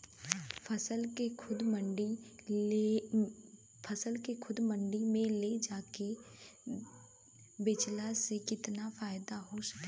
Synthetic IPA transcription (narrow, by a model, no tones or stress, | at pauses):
fəsəlkekʰʊd̪məɳɖi | pʰɐsəlkekʰʊd̪mə̃ɳɖimẽled͡ʒaːke | bɪt͡ʃlasekɪt̪nafaːɪd̪aɦoʃɐ̥kː